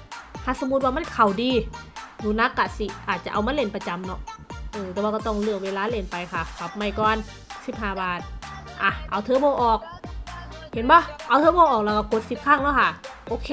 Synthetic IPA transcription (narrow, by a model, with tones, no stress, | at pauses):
t̪ʰa˧˨so˧˦mu˧t̪̚waː˧ma˧˥˨kʰa˨˩wdiː˧juː˧˩na˧˥kːa˧˩si˧˩ʔaː˨˩t̪̚t͡ɕa˧ʔa˧wma˧˥˨le˧˩npa˧t͡ɕa˧˦mnɔ˧˥ʔɤː˧t̪ɛː˧˩waː˧kːt̪ɔ˧˩ŋlɯ˧˩əŋweː˧laː˧˥˨le˧˩npa˧jkʰa˧˩kʰa˧˩p̚ma˧˩jkɔː˧n | si˧˦p̚ɦaː˧˩baː˨˩t̪̚ʔa˧˩ʔa˨˧˩wt̪ʰɤː˧˦bɔː˧˦ʔɔː˨˩k̚ | he˨˦nbɔː˧˦˨ʔa˧wt̪ʰɤː˧˦bɔː˧ʔɔː˨k̚lɛː˧wka˧˩ko˧˦t̪̚si˧˦p̚kʰa˧˥˩ŋlɛ˧˥˨kʰa˧˩ʔoː˧˦kʰeː˧